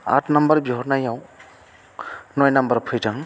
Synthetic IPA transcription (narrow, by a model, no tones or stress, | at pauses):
a̰tʰnambəɾbiɦɔɾnajaw | nɔjnambəɾpʰɯjtʰaŋ